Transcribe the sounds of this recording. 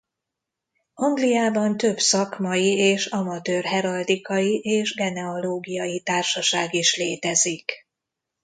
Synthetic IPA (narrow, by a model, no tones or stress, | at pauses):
ɒŋɡlijaːbɒnt̪ø̞bsɒkmɒjieːʃɒmɒt̪øːrɦɛɾɒld̪ikɒjiʔeːʒɡɛnɛoloːɡijɒjit̪aːrʃɒʃaːɡiʃleːt̪ɛzik